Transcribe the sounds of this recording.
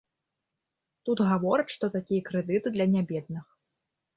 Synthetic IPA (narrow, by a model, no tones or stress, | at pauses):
t̪ut̪ɣavɔɾɐt͡ʃʂt̪ɔt̪akʲijɐkɾɛd̪ɨt̪ɨd̪lʲɐnʲabʲɛd̪̚nɨx